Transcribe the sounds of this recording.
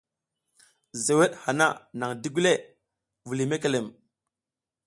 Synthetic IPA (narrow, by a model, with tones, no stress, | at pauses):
ze˨we˦ɗha˨na˦˨na˨ŋdi˦ɡu˦le˦˨ | vu˨li˨me˦ke˨le˨m